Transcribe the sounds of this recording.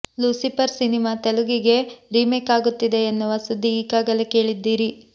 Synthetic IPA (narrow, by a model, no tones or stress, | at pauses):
lusipɐɾsinimaːt̪eluɡiɡe̞ɾiːmekaːɡut̪ːid̪e̞ːnːuʋɐsud̪ʱːiːkaːɡɐleke̞ːɭid̪ːiːɾi